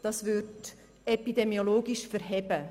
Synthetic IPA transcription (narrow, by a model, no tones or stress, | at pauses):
d̥ɑsvʏɾt | ɛpid̥̪ɛmioloːɡiʃfɛɾɦɛb̥ə